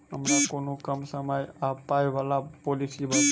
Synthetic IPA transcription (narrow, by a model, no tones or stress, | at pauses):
əmnakonũkəmsəmajapajʋalapolisiba